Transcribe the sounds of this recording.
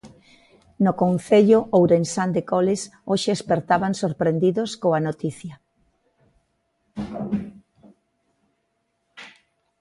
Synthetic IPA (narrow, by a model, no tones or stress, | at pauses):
nokonθeʎʊʔowɾensand̪ekolesoʃeːspeɾt̪aβaŋsoɾpɾend̪iðoskoanot̪iθjɐ